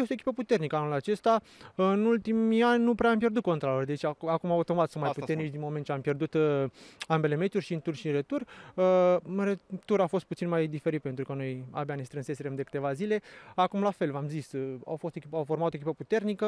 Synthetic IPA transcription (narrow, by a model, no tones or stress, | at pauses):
est̪oekʲipəput̪e̞rnikəanulat͡ʃe̞st̪aɨnult̪imianʲnupɾeampje̞rd̪ut̪̚ko̞nt̪ɾalord̪e̞t͡ʃaakumaot̪omat̪sunmajput̪e̞rnit͡ʃd̪inmo̞ment̪t͡ʃeampje̞rd̪ut̪ | ambe̞le̞me̞t͡ʃ̪urʲʃint̪urʃinɾet̪urəɨnɾet̪uɾafo̞st̪̚put̪inmajd̪ife̞ɾit̪̚pent̪ɾukəno̞ja̰beane̞st̪ɾɨnse̞seɾemd̪ekɨ̥t̪e̞vazile̞akumlafe̞lvamzisa̰wfo̞st̪ekʲipawfo̞rmat̪oekʲipəput̪e̞rnikə